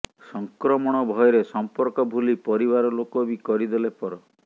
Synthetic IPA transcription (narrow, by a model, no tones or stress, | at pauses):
sɔŋkɾɔmɔɽ̃ɔbʱɔjɔɾesɔmpɔɾkɔbʱulipɔɾibaɾɔlokobikɔɾid̪olepɔɾɔ